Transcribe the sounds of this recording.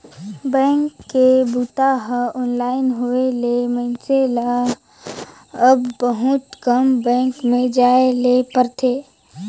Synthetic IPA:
bɛ̃ːŋkːebuːt̪aɦəɔːnlaːɪnɦoeleməɪnsela | əbbəɦʊt̪kəmbɛ̃ːŋkmẽd͡ʒaːelepəɾt̪ʰeː

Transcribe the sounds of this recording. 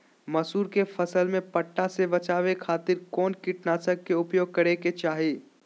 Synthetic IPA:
mɐsuːɾkefɐsəlmẽpɐʈːasebɐt͡ʃaːʋekʰaːt̪ɪɾkɔːnkɪʈnaːsəkːeʊpjoːɡ̚kɐɾeket͡ʃaːɦeː

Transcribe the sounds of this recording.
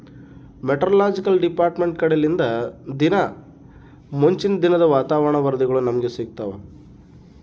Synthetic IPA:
meʈɐɾɐlaːd͡ʒikɐlɖipaːɾʈme̞ɳʈkɐɽelind̪ɐd̪inɐ | moɲt͡ʃind̪inɐd̪ɐʋaːt̪aːʋɐɳɐʋɐɾd̪iɡɐɭunɐmɐɡe̞siːk̚t̪ɐːʋɐ̰

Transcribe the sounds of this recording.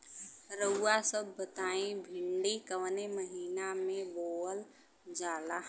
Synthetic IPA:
ɾəuːasəbːət̪aːĩbʱɪɳɖikəʋneməɦiːnamẽboːl | d͡ʒaːla

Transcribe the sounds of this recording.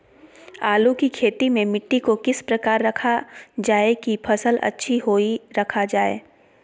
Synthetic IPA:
aːlukikʰeːt̪imẽmɪʈːikokɪspɾɐkaːɾːɐkʰad͡ʒaːekipʰɐsəlʔɐ̰tːʃʰiɦoːiɾɐkʰad͡ʒaːḛː

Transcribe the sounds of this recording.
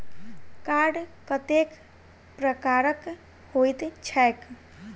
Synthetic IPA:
kaɾɖkət̪ek | pɾəkaɾək | hojt̪t͡ʃʰɛk

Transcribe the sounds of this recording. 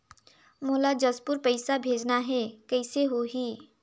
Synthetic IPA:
moːlad͡ʒəspʊɾpəɪsabʱeːd͡ʒnaɦɛkɛɪseɦoɦiː

